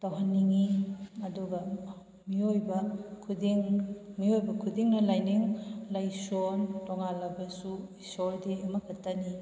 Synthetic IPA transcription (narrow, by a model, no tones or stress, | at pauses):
tɐwɦanːiŋiɐduɡɐ | miojbɐkʰudiŋmiojbɐkʰudiŋnɐlajniŋlajsontɔŋalɐbɐsuisoɾdiɐmɐkʰɐtːɐni